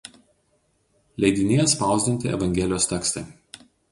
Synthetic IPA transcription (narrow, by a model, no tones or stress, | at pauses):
lʲɛɪd̪ʲɪnʲejɛspɑˑʊzʲd̪ʲɪnʲt̪ʲɪɛ̰ʋɐŋʲɡʲɛlʲɪjoːst̪ʲɛkst̪ɐɪ